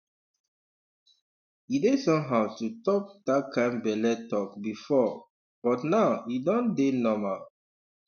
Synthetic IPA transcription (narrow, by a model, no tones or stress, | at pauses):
idesɔ̃mɦaʊtutɔp̚d̥at̚kʰãɪ̃nbɛlɛtɔkbifɔ | b̥ɔtnawidɔ̃ndenɔmal